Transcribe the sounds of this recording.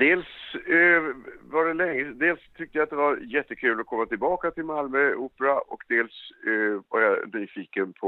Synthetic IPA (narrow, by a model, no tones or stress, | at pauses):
d̪eːls | vaɖɛlɛŋːəd̪eːlst̪ʰʏk̚t̪əjat̪̚d̪ɛvaɾjɛt̪ːəkʰʉ̟ːlɔkʰɔmːat̪ɪlbɑːkat̪ʰɪlmalmœuːpəɾaʔɔkd̪eːlsvaɾjanyːfiːkənpʰɔ